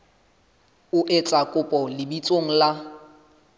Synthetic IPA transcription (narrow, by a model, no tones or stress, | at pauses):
ʊʔɪt͡sʼakʼʊpʼɔlɪbit͡sʼoŋ̩la